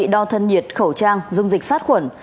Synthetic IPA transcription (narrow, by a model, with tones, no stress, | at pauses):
ɗɔ˧t̪ʰə˧nɲi˨˩ət̚xə˧˩wt͡ɕaː˧ŋzʊ˧wŋ͡mzi˨˩k̚saː˦˥t̚xwə˧˩n